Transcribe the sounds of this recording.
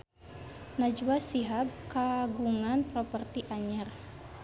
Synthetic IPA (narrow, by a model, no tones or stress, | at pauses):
nad͡ʒwasiɦab̚kaɡuŋanpɾɔpərt̪iʔaɲər